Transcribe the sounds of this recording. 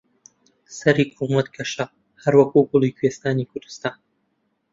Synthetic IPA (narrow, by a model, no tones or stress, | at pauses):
sɐɾikʊmɐt̪̚kʰɐʃɐ | hɐɾwɐkuɡʊlˠiːkʰwest̪aːnikʰʊɾd̪ɨ̥st̪aːn